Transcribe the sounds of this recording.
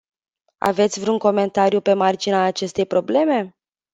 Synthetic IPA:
a̰ve̞t̪sʲvɾuŋko̞me̞nt̪aɾjupe̞mard͡ʒinaːt͡ʃe̞st̪e̞jpɾo̞ble̞me̞

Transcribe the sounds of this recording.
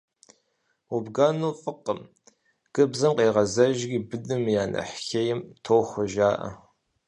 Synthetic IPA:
ubɡɐnuːfʼɨqːəm | ɡ̥ʼɨbzɐmqeːʁɐzɐʒɡʲibɨdɨmjaːnʔɐ̰ħxejɪmtʰoːxʷʊʒaːʔɐ̰

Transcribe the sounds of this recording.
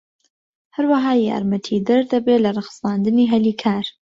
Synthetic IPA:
hɐɾwɐɦaːja̰ːɾmɐt̪ʰiːd̪ɐɾd̪ɐbeːlɐrˤɨxst̪aːnd̪ɨniːɦɐliːkʰaːɾ

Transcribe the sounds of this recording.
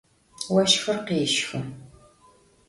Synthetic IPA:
wɐʃxɨrqiːʃxʊ

